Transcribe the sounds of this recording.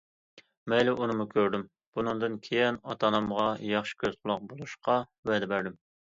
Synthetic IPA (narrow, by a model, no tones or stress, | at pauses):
mɛjlɛʔunɨmukʲʰøɾd̪ym | b̥unɨŋd̪ɨnkʲʰejɛnɑt̪ʰɑnɑmʁɑjɑχʃɪ̥kʲʰøz̥qʰʊlˠʊq̚bolˠuʃqɑvɛd̪ɛbæɾd̪ɪm